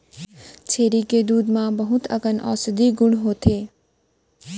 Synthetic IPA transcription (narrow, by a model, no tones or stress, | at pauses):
t͡ʃʰeːɾiked̪uːd̪mãbəɦʊt̪ʰəɡənʔɔ̰ːsd̪iɡʊɽ̃ɦoːt̪ʰeː